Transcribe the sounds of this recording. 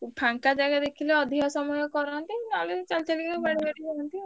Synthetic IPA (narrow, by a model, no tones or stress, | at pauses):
pʰaŋkad͡ʒaɡad̪ekʰileɔd̪ʱiɦɔsɔmɔjɔkɔɾɔnt̪inalet͡ʃalit͡ʃalikkabaɽibaɽid͡ʒaɔnt̪i